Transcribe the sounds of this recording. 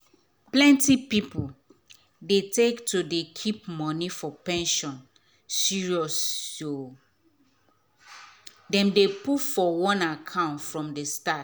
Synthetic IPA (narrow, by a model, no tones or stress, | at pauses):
plɛ̃ntipipul | detektodekʰip̚mɔnifɔpɛ̃nʃɔ̃n | siɹiɔso | dɛ̃mdeputfɔwɔ̃nakʰãʊ̃ntfɹɔ̃mdestat